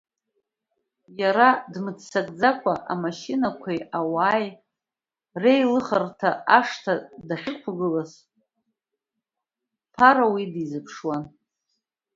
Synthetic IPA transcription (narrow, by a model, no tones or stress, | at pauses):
jaɾadmɨt͡sʰsakʼd͡zakʷʰaʔamaʃinakʷʰajawaːj | rejlɨχartʰaaʂtʰadaħʲᶣɨkʷʰaɡɨlaz | pʰaɾawidizɨpʰʂwan